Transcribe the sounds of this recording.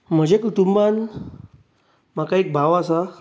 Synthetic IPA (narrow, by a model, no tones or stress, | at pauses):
m̤əd͡ʑʱekuʈumban | makaek̚bʱaʋasa